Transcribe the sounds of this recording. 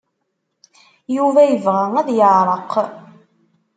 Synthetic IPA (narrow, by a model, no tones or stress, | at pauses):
juvæjəvʁæŋæðjəʕɾˤəq